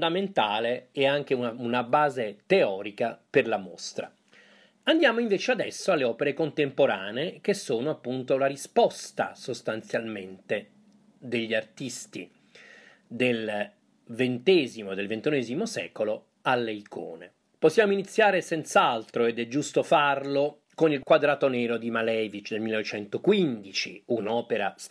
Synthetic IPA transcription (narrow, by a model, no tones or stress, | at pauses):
d̪ament̪aːleɛaŋk̟eunaunabaːzet̪eɔːɾikaperlamo̰st̪ɾa̰ | and̪jaːmoiɱveːt͡ʃead̪ɛ̰sːoalːeɔːpeɾekont̪empoɾaːneek̟esːoːnoapːunt̪olaɾispɔst̪a̰sost̪ant̪sjalment̪e | d̪eʎːiart̪ist̪ḭ | d̪el | vent̪ɛːzimod̪elvent̪unɛeːzimosɛ̰ːkolo | alːeikʰo̰ːnḛ | posːjaːmoinit̪sːjaːɾesɛnt̪salt̪ɾoed̪ɛd͡ʒːust̪ofarlo | konilkwad̪ɾaːt̪onɛːɾod̪imalɛːvit͡ʃd̪elmilenːvet͡ʃɛnt̪okwind̪it͡ʃḭunɔːpeɾa